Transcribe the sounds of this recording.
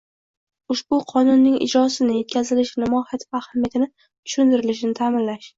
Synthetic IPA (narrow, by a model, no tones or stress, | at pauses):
ʊʃbʊqʰɒnʊnːɪŋɪ̰d͡ʒɾɒsɪnɪje̞t̪̚kʲʰazɪlɪʃnɪmɒhat̪ʰɪfahamjat̪ʰɪnɪ | t̪ʰʊ̥ʃʊnt̪ɪɾɪlɪʃɪnɪt̪ʰamɪnlaʃ